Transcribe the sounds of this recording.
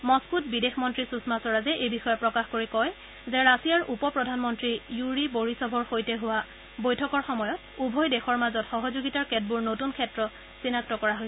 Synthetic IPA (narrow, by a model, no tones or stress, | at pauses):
mɔskutbidexmɔntɹisusmasɔɹazɛʔejbixɔjɔpɹɔkaxkoɹikɔj | zɛɹasijaɹupɔpɹɔdʱanmɔntɹijuɹiboɹisɔbʱɔɹxojtɛɦʊwa | bojtʰɔkɔɹxɔmɔjɔt | ubʱɔjdɛxɔɹmazɔtxɔɦɔzuɡitaɹkɛt̚buɹnotunkʰɛtɹɔ | sinaktɔkɔɹaɦol